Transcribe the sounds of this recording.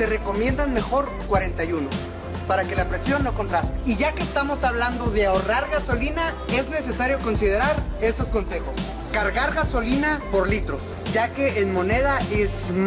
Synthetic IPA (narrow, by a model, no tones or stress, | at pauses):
se̞re̞ko̞mje̞nd̪anme̞xo̞ɾ | kwaɾe̞nt̪ajuno̞ | paɾake̞lapɾesjo̞nːo̞kont̪ɾast̪eiʝake̞ːst̪amo̞saβland̪o̞ðe̞aoraɾɣaso̞linae̞zne̞se̞saɾjo̞ko̞nsið̞e̞ɾaɾe̞sosko̞nse̞xo̞s | kaɾɣaɾɣaso̞linapo̞ɾlit̪ɾo̞s | ɟ͡ʝake̞ːnmo̞ne̞ð̞aʔezm